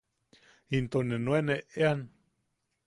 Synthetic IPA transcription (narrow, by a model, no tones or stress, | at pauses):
int̪onenweneʔean